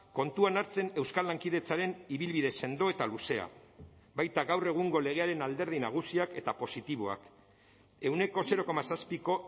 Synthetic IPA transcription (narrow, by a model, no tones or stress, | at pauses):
ko̞nt̪uanaɾt͡se̞ne̞wskalːaŋkið̞e̞t͡saɾe̞niβilβiðe̞se̞nd̪o̞e̞t̪aluse̞a̰ | bajt̪aɣawre̞ɣ̞uŋɡo̞le̞ɣ̞eaɾe̞nald̪e̞ɾð̞inaɣ̞usiake̞t̪apo̞sit̪iβ̞oa̰k | e̞wne̞ko̞se̞ɾo̞ko̞masaspiko̞